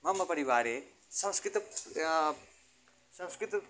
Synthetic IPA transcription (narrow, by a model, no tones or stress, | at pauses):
mɐmɐpɐɾiʋaːɾeː | sɐ̃mskɾɪt̪ | sɐ̃mskɾɪt̪